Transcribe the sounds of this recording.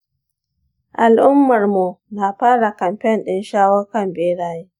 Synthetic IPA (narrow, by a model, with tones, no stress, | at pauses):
ʔa˨lʔʊ˦mːɐ˨rmu˨na˨ɸaː˦ɽa˨kɐ˨mɸɛ˦nɗɪ˦nʃaː˦wɐ˦kɐ˨mbeː˦ɽaː˦jeː˦